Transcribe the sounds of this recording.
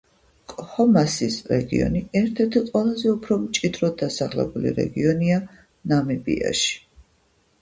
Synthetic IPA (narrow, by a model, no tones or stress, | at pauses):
kʼhɔmasisɾɛɡḭɔ̰niɛɾt̪ʰɛɾt̪ʰiqʼwɛlˠazɛupʰɾɔmt͡ʃʼid̪ɾɔd̪asaχlɛ̰bulḭɾɛ̰ɡiɔnia | namibḭa̰ʃi̥